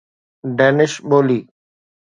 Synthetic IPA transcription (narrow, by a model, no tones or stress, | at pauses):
ɖeːnɪʃɓoːliː